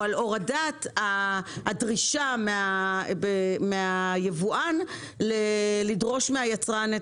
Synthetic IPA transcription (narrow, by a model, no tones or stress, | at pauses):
aloʁadataadʁiʃameabemeajevuʔan | lelidʁo̞ʃmeajat͡sʁane